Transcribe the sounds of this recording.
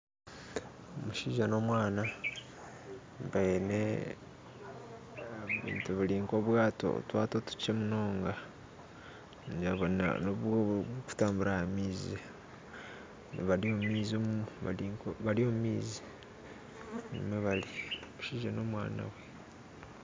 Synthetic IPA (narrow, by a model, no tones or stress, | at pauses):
omuʃiːʒano̞mwaːna | βene | βḭːntuβuliːŋko̞βwaːto̰twaːtotu̥t͡ʃemuno̞ːŋɡa | d͡ʒaβona̰noβku̥taːmbuɾahamiːzi | nβaliomumiːziomuuβa̰ikβaliomumiːzi̥ | nḭmweβaliomuʃiːʒano̞mwa̰ːna̰we